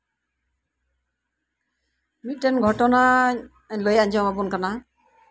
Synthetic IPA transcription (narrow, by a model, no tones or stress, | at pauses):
mit̪̚ˀʈɛnɡʱɔʈɔna | ləjaɲd͡ʒɔ̃abunkana